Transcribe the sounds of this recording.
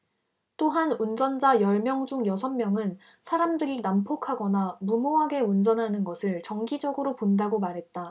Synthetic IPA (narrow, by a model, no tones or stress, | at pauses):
t͈oɦanund͡ʑʌnd͡ʑajʌɭmjʌŋd͡ʑuŋjʌsʰʌnmjʌŋɯn | sʰaɾamdɯɾinampʰokʰaɡʌnamumoɦaɡe̞und͡ʑʌnɦanɯnɡʌsʰɯɭt͡ɕʌŋɡid͡ʑʌɡɯɾopondaɡomaɾɦe̞t̚t͈a